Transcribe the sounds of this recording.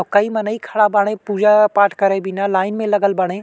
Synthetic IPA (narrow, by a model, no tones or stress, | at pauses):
kɐimɐnəikʰɐɭabaːɽ̃epuːd͡ʒapaːʈʰkɐɾebɪnalaːɪnmẽlɐɡəlbɐɽ̃e